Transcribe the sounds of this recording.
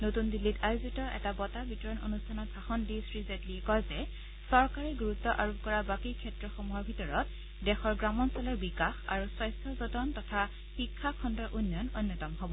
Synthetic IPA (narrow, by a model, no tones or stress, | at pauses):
notundilːitajuzitɔʔɛ̰tabɔtabʱitɔɹɔno̰nustʰanɔtsaxɔndisɹizɛdliɛkɔjzɛ | sɔɹkaɹɛɡuɹutːɔʔaɹup̚kɔɹabakikʰɛtɹɔxomuɦɔɹbʱitɔɹɔt | dɛxɔɹɡɹamɔnsɔlɔɹbikaxa̰ɹuswajstʰɔzɔtɔntɔtʰa | xikʰːakʰɔndɔɹʔunːɔnojnːɔtɔmɦobɔ